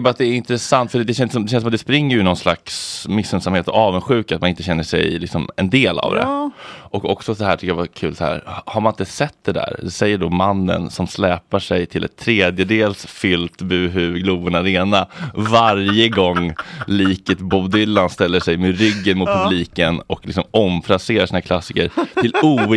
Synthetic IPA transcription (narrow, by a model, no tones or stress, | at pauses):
bɑɾat̪̚d̪ɛːɾɪnt̪ɾɛsant̪fœəɖd̪ɛɕ̬ɛnsɔmd̪ɛɕɛnsɔmat̪d̪ɛspɾɪŋːəɾjɵnɔnslaksmɪsːœnsamheːt̪ɔɑːvənɧʉ̟ːkat̪manɪnt̪əɕɛnːəʂɛ̰jlɪksɔmɛnd̪eːla̰vd̪ɛ̰ʔɔkɔ̰ksɔsɔhæːʈʰʏkəjavakʰʉ̟ːlsahæ̰ːɾhhaɾmanɪnt̪əsɛt̪ːd̪ɛd̪æ̰ɾd̪ɛsɛjːəɖomanːə̰nsɔmslɛːpaʂɛjt̪ʰɪlɛ̰t̪ʰːɾeːd̪jəd̪eːlsfʏlt̪bʉ̟ːɦʉɡluːbənaɾeːnavaɾjəɡɔŋːliːkət̪bubd̪ʏlːanst̪ɛlːəʂɛjmɛɾʏɡːənmʊt̪̚pʰɵbliːkənɔklɪ̰ksɔmɔmfɾaseːɾaʂiːnakʰlasːɪkəɾt̪ɪluː